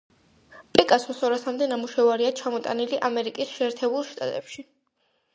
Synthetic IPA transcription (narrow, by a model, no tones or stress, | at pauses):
pʼikʼasmɔsɔɾasamd̪ɛnamuʃɛvaɾiat͡ʃʰamɔt̪ʼa̰niliʔamɛɾikʼisʃɛːɾt̪ʰɛbulˠʃt̪ʼa̰t̪ʼɛpʃi